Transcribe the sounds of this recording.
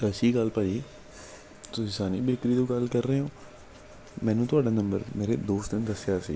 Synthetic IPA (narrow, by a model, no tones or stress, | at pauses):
əsiːɡəlpaːiː | t̪ʊsĩːsaːniːbɪkɾiːd̪õːɡəlkəɾːəɦeːoː | mɛ̃ːnũːt̪ʊaːɖaːnəmbə̰ɾmeːɾḛːd̪oːst̪d̪ɪnd̪əsɪjaːsḭː